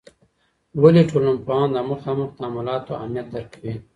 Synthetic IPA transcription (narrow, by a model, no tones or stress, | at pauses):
waliʈʰolampɑnd̪əməxɑːməxd̪amalɑːt̪oa̰mijat̪̚d̪aɾkʰawi